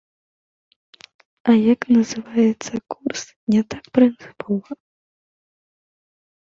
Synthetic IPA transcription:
ɐjaknɐzɨvajɛt̪sːɐkurs | nʲɛt̪ak̚pɾɨnt̪sɨ̥pʰɔvɐ

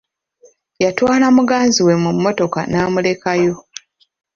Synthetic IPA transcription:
jatwaːlamuɡaːnziwe̞mumːo̞to̞ka̰naːmule̞kajo̞

